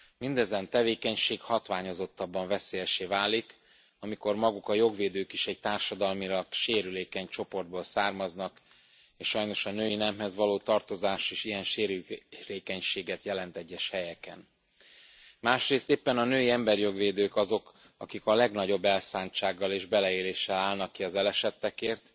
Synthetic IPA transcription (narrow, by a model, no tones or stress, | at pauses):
mind̪ɛzɛnt̪ɛveːkɛɲʃeːkhɒt̪ʋaːɲozo̞t̪ːɒbːɒɱvɛseːjɛʃeːvaːlik | ɒmiko̞rmɒɡukɒjo̞ɡʋeːd̪øːkiʃɛɟ̚t̪aːrʃɒd̪ɒlmilɒɡʃeːɾyleːkɛɲt͡ʃo̞po̞rd̪boːlsaːrmɒznɒk | eːʃʃɒjno̞ʃɒnøːjinɛmhɛzʋɒloːt̪ɒrt̪o̞zaːʃeːʃijɛnʃeːɾyleːkɛɲʃeːɡɛt̪jɛlɛnt̪ɛɟːɛʃhɛjɛkɛ̰n | maːʃreːst̪eːpːɛnɒnøːjiɛmbɛrjo̞ɡʋeːd̪øːkɒzo̞k | ɒ̰kikɒlɛɡnɒɟo̞bːɛlsaːnt͡ʃaːɡːɒleːʒbɛlɛeːleːʃːɛlaːlnɒkːiɒzɛlɛʃɛt̪ːɛkeːrt̪